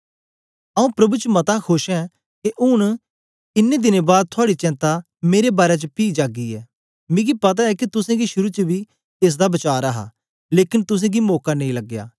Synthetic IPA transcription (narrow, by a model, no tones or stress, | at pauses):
ɐũːpɾɐbuːt͡ʃəmɐt̪akʰʊʃɛ̃ː | keʔʊñ | ɪnːẽd̪ɪnẽbaːd̪̚t̪ʰʊaːɽit͡ʃɛ̃ːnt̪a | meːɾebaːɾet͡ʃəpiːd͡ʒaːɡiɛː | mɪ̃ːɡipɐt̪̬aɛːkit̪ʊsẽːɡiʃʊɾuːt͡ʃəbiː | ɪs̬d̪abɐt͡ʃaːɾəɦa̰ː | leːkɪnt̪ʊs̬ẽːɡimɔːkanẽĩləɡja̰ː